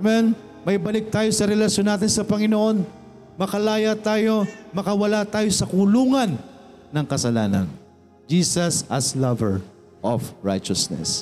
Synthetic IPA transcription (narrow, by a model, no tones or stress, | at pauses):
mɛn | mɐʔibɐlɪk̚t̪aːjo̞sɐɾɛlɐʃjo̞nːaːt̪ɪnsɐpɐŋɪnoʔo̞n | mɐkɐlaːjɐt̪aːjo̞mɐkɐwɐlat̪aːjo̞sɐkuluːŋɐnː | ɐŋkɐsɐlaːnɐ̰n | d͡ʒiːsɐsɐslɐvɛɹ | ʔofɹa̰jt͡ʃɐsnɛ̰s